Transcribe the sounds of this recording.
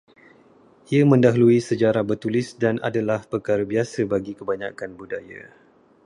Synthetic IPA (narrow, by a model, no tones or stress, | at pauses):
ʔiamə̃ndaɦuluisəd͡ʒaɾabərt̪ulɪsdanʔa̰dalahpərkaɾabiasabaɡikəbaɲa̰kanbudaja̰